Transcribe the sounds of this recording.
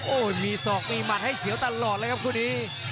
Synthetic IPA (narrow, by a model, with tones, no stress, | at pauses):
ʔoː˧˩miː˧sɔː˨˩k̚miː˧ma˨˩t̪̚ha˥˩jsi˨˦wt̪a˧lɔː˨˩t̪̚əː˧˥jkʰa˦˥p̚kʰuː˧˩niː˦˥